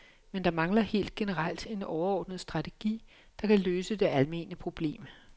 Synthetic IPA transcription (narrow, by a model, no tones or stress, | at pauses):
mend̥ɑ̈mɑ̈ŋlɐhe̝̰ːld̥̚ɡ̥e̝nəʁɑl̰d̥e̝nɒʊɐɒːd̥nəð̞ˠsd̥ʁɑ̈t͡sʰe̝ɡ̥ḭː | d̥ɑ̈kʰæløːsəd̥e̝ælme̝ːnəpʰʁo̝b̥le̝̰ːm